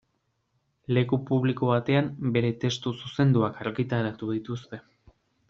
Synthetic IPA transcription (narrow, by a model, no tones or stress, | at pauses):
le̞kupuβlikoβat̪e̞ambe̞ɾe̞t̪e̞st̪ususe̞nd̪uakaɾɣit̪aɾat̪uð̞it̪ust̪e̞